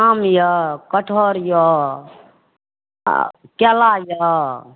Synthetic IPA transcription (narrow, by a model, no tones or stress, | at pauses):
amjəkəʈʰɔɾjɔ | kɛlajə